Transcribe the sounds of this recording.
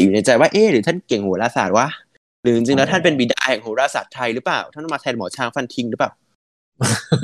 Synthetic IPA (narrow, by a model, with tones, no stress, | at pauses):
juː˨˩na˧jt͡ɕa˧jwaː˥˩ʔeː˧˩ɾɯː˩˦t̪ʰa˥˩nke˨˩ŋhu˨˩˦ɾaː˧saː˨˩t̪̚wa˦˥ʔ | ɾɯː˨˩˦ʔi˧ŋt͡ɕi˧ŋlɛː˦˥wt̪ʰa˥˩npe˧nbiː˨˩da̰ː˧hɛː˨˩ŋhu˩˦ɾaː˧saː˨˩t̪ʰːa˧jɾɯ˦˥plaː˨˩wt̪ʰa˥˩˨maː˧t̪ʰɛː˧mɔː˩˦t͡ɕʰaː˧˩ŋfa˧nt̪ʰi˧ŋɾɯː˧˦˥paː˨˩w